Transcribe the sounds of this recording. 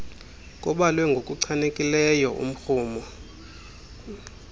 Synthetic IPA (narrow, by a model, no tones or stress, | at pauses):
k̬ʼɔɓalwɛŋɡʱokʼuǀʰanekʼilɛjɔʔṵm̩xuːmɔ